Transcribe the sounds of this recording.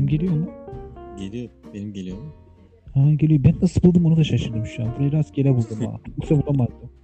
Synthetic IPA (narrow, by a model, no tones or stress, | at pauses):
imɟe̞lʲijonuɟelʲijoɾbenimɟelʲijomu | haɟe̞lʲijobænːasɯlˠbulˠd̪ɯmonad̪aʃaʃɯɾd̪ɯmʃujanb̪uɾaiɾazɟelʲɛbulˠd̪ɯma̰oksabunamaɾd̪ɯ